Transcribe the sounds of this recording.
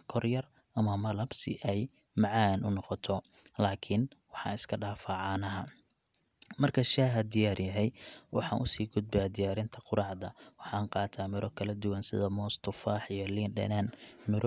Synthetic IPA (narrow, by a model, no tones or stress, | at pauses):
kʰɔrjɐr | ʔɐmɐmɐlɐbsɪ̰ʔɛj | mɑʕɑːnʔʊnɔqɔt̪ʰɔ | laːkʰɪnwɑħɑ̰ːnɪskʰɐɖaːfaːʕɑːnɐɦɐ | mɐrkʰɐʃaːɦɐd̪ɪjaːrjɐɦɛjwɑ̰ħɑ̰ːnʔʊsiːɡʊd̪̚bɛːd̪ɪjaːɾɪnt̪ʰɐqʊɾɑːʕd̪ɐwɑħɑːɴqɑːt̪ʰaːmɪɾɔkʰɐlɐd̪ʊwɑnsɪ̰ðɐmɔːst̪ʰʊfaːħijɔliːnɖɛ̰naːnmɪɾ